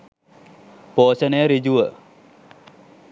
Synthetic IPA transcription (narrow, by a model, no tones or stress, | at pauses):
poːɕənəjəɾid͡ʑuʋə